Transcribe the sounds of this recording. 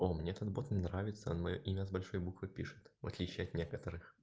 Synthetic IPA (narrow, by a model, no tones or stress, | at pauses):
omnʲeɛt̪ət̪̚bo̞t̪nnɾavʲɪt̪səo̰nmɐjo̞̰ʔimʲəzbɐlʲʂo̞jbukvɨpʲiʂɨ̥t̪vɐ̰t̪lʲit͡ɕɪɐt̪nʲe̞kət̪əɾɨx